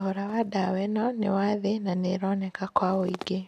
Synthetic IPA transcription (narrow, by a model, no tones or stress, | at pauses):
oɾawadawɛnɔnḛwaðenaneɾɔnɛkakwaoiɡe